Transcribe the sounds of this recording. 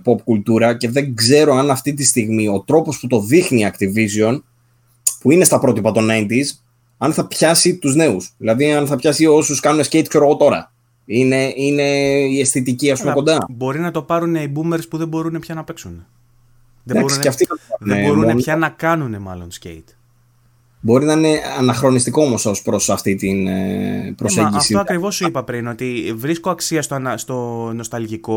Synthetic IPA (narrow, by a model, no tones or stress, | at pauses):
po̞pkult̪uɾɐce̞ðe̞ŋɡze̞ɾo̞ɐnɐft̪it̪̬ist̪iɣmio̞t̪ɾo̞po̞sput̪o̞ðixniɐkt̪ivisio̞n | puine̞st̪ɐpɾo̞t̪ipɐt̪o̞nɐjnt̪iz | ɐnθɐpçɐsit̪uzne̞usðilɐðiɐnθɐpçɐsio̞suskɐnunescejt̪̚kse̞ɾoɣo̞t̪o̞ɾɐ̰ | ine̞ine̞iesθit̪iciɐs̬pumeko̞nd̪ɐbo̞ɾinɐt̪o̞pɐɾune̞ibume̞ɾspuðe̞bo̞ɾune̞pçɐnɐpe̞ksune | ðed̪bɐbo̞ɾsuinɐft̪iðebo̞ɾunepçɐnɐkɐnune̞mɐ̰lo̞nscḛit̪ | bo̞ɾinɐine̞ɐnɐxɾo̞nist̪iko̞omo̞sospɾosɐft̪it̪in̰ | pɾoseɟiɐfsit̪oɐkɾivo̞suipɐpɾino̞t̪ivɾisko̞ɐksiɐst̪oɐnɐst̪o̞no̞st̪ɐlʝiko̞